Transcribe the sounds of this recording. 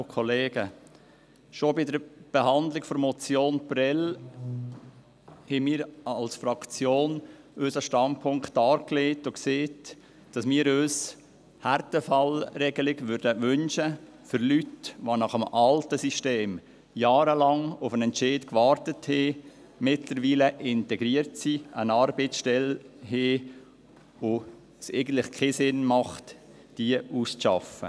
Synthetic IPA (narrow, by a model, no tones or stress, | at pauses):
kʰɔleːɡ̥ə | ʃobɪdəɾb̥eɦɑndlɪkfɔɾmɔt͡sjoːnpɾɛl | hɛmiːɾɑlsfɾɑkt͡sjoːn | øːsɑʃtɑnpʰʊŋktɑːɾkleːtokseːt | d̥ɑsmiːɾøːs | hæɾtəfɑlɾɛɡəlɪɡʋʏɾdəʋʏnʃə | fʏɾlytʋonɑχəmɑltəsiʃteːm | jaːɾəlɑŋʊfənɛntt͡ʃeːdkʋɑːɾtəthe | mɪtləɾʋiːləʔɪntɛɡɾiəɾtsiənɑːɾbeːt͡ssʃtɛlɦeː | o | seɪɡən̩tlɪχkʰeːsɪnmɑχt | d̥iəuːst͡sʃɑ̰fə̰